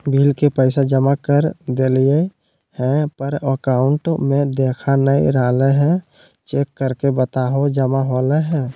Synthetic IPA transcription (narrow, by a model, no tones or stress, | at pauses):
bʱiːlkepəɪsad͡ʒəmakəɾd̪eːlie | hɛ̃pəɾəkaːʊɳʈmẽd̪eːkʰanəḭɾaːleɦɛ̃ | t͡ʃeːkːəɾkebət̪aːɦod͡ʒəmaɦoːleɦɛ̃ː